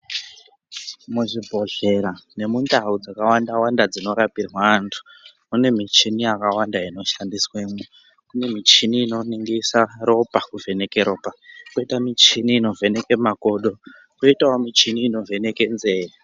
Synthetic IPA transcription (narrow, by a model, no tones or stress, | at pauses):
muʐibʱo̞ɮe̞ɾane̞mundaud͡zakawandawandad͡zino̞ɾapirwaːntʰu̥ | mune̞mit͡ʃinijakawandaino̞ʃandiswemu | kune̞mit͡ʃiniːno̞niŋɡisaro̞pakuvʱe̞ne̞keɾo̞pakoitamit͡ʃiniːno̞vʱe̞ne̞ke̞mako̞ɗo̞ | koitawomit͡ʃiniːno̞vʱe̞ne̞ke̞nze̞ːre